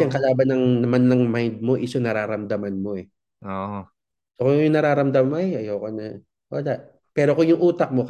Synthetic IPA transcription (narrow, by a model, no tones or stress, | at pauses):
ɐŋkɐlaːbɐnːɐŋnɐmanːɐŋmajnd̪̚mo̞ʔɪsoŋnɐɾaːɾɐmd̪ɐmanmo̞ɛ | ʔoːʔo | sokʊjʊŋnɐɾaːɾɐmd̪ɐmojɐjowkonɐ | wɐlaʔ | pɛːɾo̞kʊŋjʊŋʔuːt̪ɐk̚mok